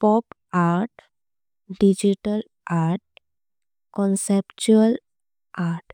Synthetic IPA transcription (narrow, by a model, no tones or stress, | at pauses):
pɔp | aɾʈ | ɖid͡ʑiʈəl | aɾʈ̚ | kɔnsept͡ɕuəl | ʔaɾʈ